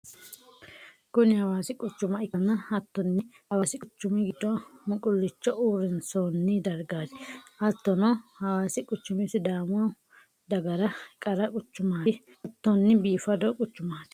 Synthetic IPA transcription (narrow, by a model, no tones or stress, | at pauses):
kʊnɪhɐwaːsɪkʼʊt͡ʃːʊmɐɪkɐnɐhɐt̪ːɔnːɪhɐwaːsɪkʼʊt͡ʃːʊmɛɡɪd̪ɔmʊkʼʊlːɪt͡ʃːɔʔuːɾɛnsonːɪd̪ɐɾɡaːd̪ɪʔɐt̪ːɔnɔhɐwaːsɪkʼʊt͡ʃːʊmɪsɪd̪aːmʊwɐ | d̪ɐɡɐɾɐkʼɐɾɐkʼʊt͡ʃːʊmaː | ɐt̪ːɔnːɪbiːfɐd̪ɔkʼʊt͡ʃːʊmaːd̪